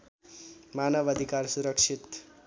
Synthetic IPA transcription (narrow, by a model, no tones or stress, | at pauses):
manəʋəd̪ʱikaɾsuɾəkʂit̪